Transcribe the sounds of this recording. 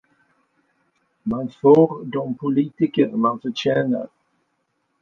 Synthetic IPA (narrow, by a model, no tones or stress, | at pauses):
manfoːɾd̪ɔmpʰʊliːt̪ɪkəɾmanfœɕɛːnə̰ɾ